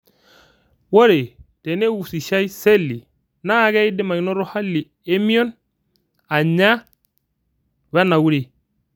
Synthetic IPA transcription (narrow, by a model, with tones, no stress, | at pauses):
wo˦ɾe˨te˨ne˦wu˨si˨ʃa˦i˦se˦lːi˨ | na˦˨ɡe˦i˦di˦ma˨i˨˦no˦ɾo˦ha˦lːi˨ | e˦mi˦o˦n | a˨ɲa˦ | we˦na˨wu˦ɾe˨